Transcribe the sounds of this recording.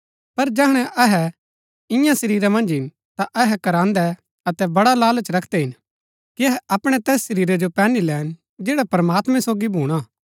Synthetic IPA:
pɐɾd͡ʒɛɦɽ̃ɛ̃ʔɐɦɛ | ɪ̃jãsɐɾiːɾɛmɐ̃nd͡ʒɦɪn | t̪aʔɐɦɛkɐɾãːnd̪ɛ | ɐt̪ɛbɐɽalaːlət͡ʃɾɐkʰd̪ɛɦɪn | kiɐɦɛʔɐpɽ̃ɛt̪ɛːsʃɐɾiːɾɛd͡ʒopɛːnilɛːn | d͡ʒeːɽapɾɐmaːt̪mɛ̃soːɡibʱuːɽ̃aː

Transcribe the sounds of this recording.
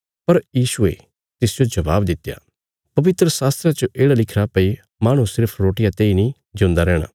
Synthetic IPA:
pɐɾjiːsʊḛ | t̪ɪsd͡ʒod͡ʒɐʋaːbd̪ɪt̪ːja̰ː | pɐʋɪt̪ɾəsaːst̪ɾat͡ʃoʔeːɽalɪkʰɾapɐi | maːɽ̃ũsɪɾpʰɾoːʈɪjãt̪eːinĩ | d͡ʒõːnd̪aɾɛːɽ̃a̰ː

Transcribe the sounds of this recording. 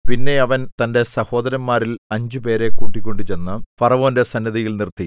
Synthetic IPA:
pinːe̞ɐʋɐnt̪ɐnde̞sɐho̞ːd̪ɐɾɐmːaːɾilɐɲd͡ʑɨpe̞ːɾe̞kuːʈːikʲːo̞ɳɖɨt͡ɕe̞nːɐfɐrɐʋo̞ːnde̞sɐnːɐðijilnirt̪ːi

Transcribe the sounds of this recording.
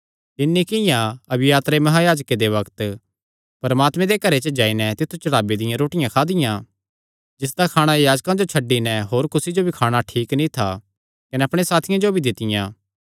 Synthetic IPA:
t̪ɪnːikɪjãɐbɪjaːt̪ɾemɐɦajaːd͡ʒked̪eʋɐkt̪ | pɐɾmaːt̪mɛ̃d̪ekɐɾet͡ʃəd͡ʒaːinɛt̪ɪt̪ʰːut͡ʃɐɽaːbed̪ɪjãɾoːʈɪjãkʰaːd̪ɪjã | d͡ʒɪs̬d̪akʰaːɽ̃ajaːd͡ʒkãd͡ʒot͡ʃʰɐɖːinɛɦoːɾkʊsid͡ʒobʱikʰaːɽ̃aʈʰiːknĩt̪ʰa | kɐnɛɐpɽ̃esaːt̪ʰɪjãd͡ʒobʱid̪ɪt̪ɪjãː

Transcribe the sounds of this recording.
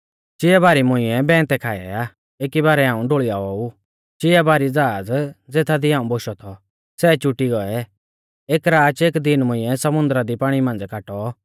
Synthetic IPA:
t͡ʃɪɛbaːɾimʊ̃ɪ̃jɛbɛ̃ːt̪ɛkʰaːɛ̰aː | eːkibaːɾɛɦãːũɖoːɭiaːɔu | t͡ʃɪɛbaːɾid͡zaːd͡zd͡zeːt̪ʰad̪iãːũboːʃɔt̪ʰɔ | sɛːt͡ʃʊʈiɡɔɛ | eːkɾaːt͡ʃeːkd̪ɪnmʊ̃ɪ̃ɛsɐmʊ̃nd̪ɾad̪ipaːɽ̃imãːnd͡zkaːʈɔ

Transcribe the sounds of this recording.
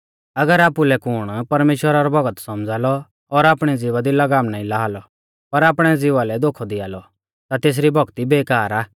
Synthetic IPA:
ɐɡəɾaːpulɛkʊɽ̃pɐɾmeːʃwəɾaɾɔbʱɐɡət̪sɐmd͡zʱaːlɔː | ɾaːpɽ̃ɛd͡zɪʋad̪ilɐɡaːmnaːĩlaːɦaːlɔ | pɐɾaːpɽ̃ɛd͡zɪʋalɛd̪oːkʰɔd̪iaːlɔ | t̪at̪eːs̬ɾibʱɔɡt̪ibeːkaːɾaː

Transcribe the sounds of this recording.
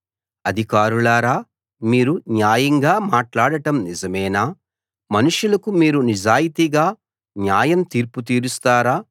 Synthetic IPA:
ɐd̪ʱikaːɾulaːɾaː | miːɾunjaːjɐŋɡaːmaːʈlaːɽɐʈɐmnizɐmɛːnaː | mɐnuʂjulɐkumiːɾunid͡ʒaːjit̪iɡaː | njaːjɐmt̪iːɾput̪iːɾust̪aːɾaː

